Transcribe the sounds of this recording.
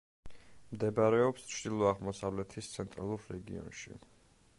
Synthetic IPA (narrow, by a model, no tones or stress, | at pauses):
md̪ɛbɾɛɔpst͡ʃʰd̪̥ilˠɔaʁmɔsavlɛt̪ʰist̪sʰɛnt̪ʼɾalˠuɾːɛɡḭɔ̰nʃḭ